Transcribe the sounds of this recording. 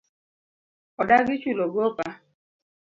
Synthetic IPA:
ɔdaɡɪt͡ʃuloɡopa

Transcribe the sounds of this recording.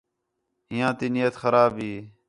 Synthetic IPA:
ɦɪjãːt̪iːnijət̪xəɾaːbɦiː

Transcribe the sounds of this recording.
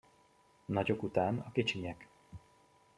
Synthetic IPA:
nɒɟo̞kut̪aːnɒkit͡ʃiɲɛk

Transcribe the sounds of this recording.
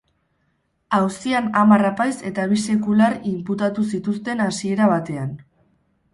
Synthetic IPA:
awsianamarapajse̞t̪aβ̞ise̞kularimput̪at̪usit̪ust̪e̞nasie̞ɾaβ̞at̪e̞an

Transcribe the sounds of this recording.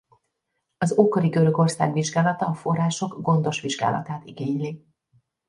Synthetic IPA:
ɒzokoɾiɡø̞ɾø̞ɡo̞rsa̰ːɡʋiʒɡaːlɒt̪ɒːfo̞rːaːʃo̞ɡɡo̞nd̪o̞ʃʋiʒɡa̰ːlɒ̰t̪aːt̪iɡeːɲli

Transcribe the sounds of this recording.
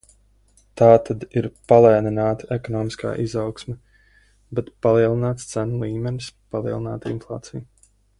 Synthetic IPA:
t̪aːt̪ʰad̪iɾpalˠɛːninaːt̪ɛkɔnɔːmiska̰ːʔizawksmɛ | bɛt̪palˠiɛlˠinaːt̪st̪sænulˠiːmɛnispalˠiɛlˠinaːt̪inflˠa̰ːt̪sij

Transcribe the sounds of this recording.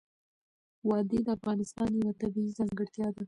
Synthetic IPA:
wɑd̪ed̪əafɣɑnɪst̪ɑnjawat̪abiizɑŋɡəɽt̪jɑd̪a

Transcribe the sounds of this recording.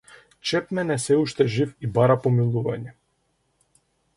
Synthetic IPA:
t͡ʃɛpmɛnɛsɛuʃt̪ɛʒifibaɾapɔmilˠuva̰ɲɛ

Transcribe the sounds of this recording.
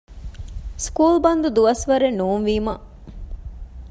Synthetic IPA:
skuːlbɐnd̪ud̪uʋɐsʋɐɾenːuːnʋiːmɐ

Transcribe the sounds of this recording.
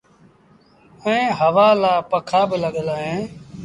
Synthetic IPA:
əẽːɦəʋaːlaːpəkʰaːbɪləɠəlaːɦẽː

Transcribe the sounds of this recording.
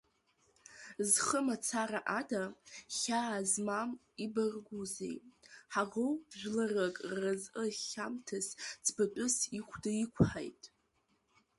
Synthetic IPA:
zχəmat͡sʰaraʔadaχʲaːzmam | ibɨrɡʷuzḛjħaʁowʒᶣʷlarakʼrazʔəχʲamtʰɨst͡sʰbatʷʼʊsiχʷʰdɨikʷʰħa̰jtʼ

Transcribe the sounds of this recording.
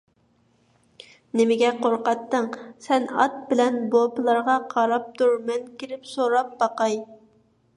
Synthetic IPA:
nɪmɪɡʲɛqoɾqɑt̪ːəŋsɛnɑt̪̚bɪlɛnbopɨlˠɑɾʁɑqʰɑɾɑp̚t̪ʰuɾmɛnkʲiɾɪpsoɾɑp̚bɑqɑj

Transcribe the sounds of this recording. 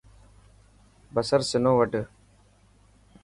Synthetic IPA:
bɐsəɾsɪnõːʋəʈ

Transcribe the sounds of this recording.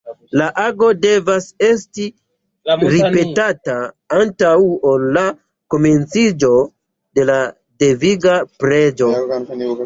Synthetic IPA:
laʔaɡo̞de̞vase̞sti | ɾipe̞tata | antawolːa | ko̞me̞nt͡sid͡ʒo̞ | de̞la | de̞viɡapɾe̞d͡ʒo̞

